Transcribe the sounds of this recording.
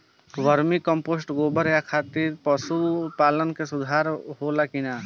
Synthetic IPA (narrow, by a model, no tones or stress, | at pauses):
ʋəɾmikə̃mpoːsʈɡoːbəɾjakʰaːt̪iːɾpəsupaːlənkesʊd̪ʱaːɾɦoːlakɪnaː